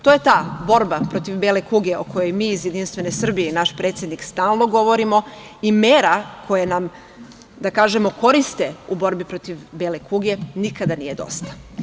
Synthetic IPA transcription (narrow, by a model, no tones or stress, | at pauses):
t̪o̞ːje̞t̪aːbo̞ɾbapɾo̞t̪iʋbelekuɡeokʰo̞jo̞jmiːizjed̪inst̪ʋe̞ne̞sr̩bijeinaʃpɾet̪sjed̪nikst̪aːlˠno̞ɡo̞ʋo̞ɾimo̞ | imeːɾakʰo̞jenam | d̪akaːʒe̞mo̞ko̞ɾist̪e̞ubo̞ɾbipɾo̞t̪iʋbelekuɡe̞nikad̪anije̞d̪o̞̰st̪ḁ